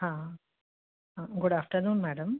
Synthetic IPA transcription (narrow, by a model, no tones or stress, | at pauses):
hãː | hãɡʊɽaːfʈəɾnuːnmæːɖɐm